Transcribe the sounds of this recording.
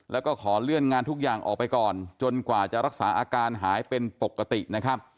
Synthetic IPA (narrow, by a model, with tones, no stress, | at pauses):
lɛː˦˥wkɔː˥˩kʰɔː˩˦lɯ˥˩ənŋaː˧nt̪ʰu˦˥k̚jaː˨˩ŋʔɔ̰ː˨˩k̚pa˧jkɔː˨˩nt͡ɕo˧nkwaː˨˩t͡ɕa˨˩ɾa˦˥k̚saː˩˦˥ʔaː˧kaː˧nɦaː˩˦jpe˧npo˨˩kːa˧t̪i˨˩ʔna˦˥kʰa˦˥p̚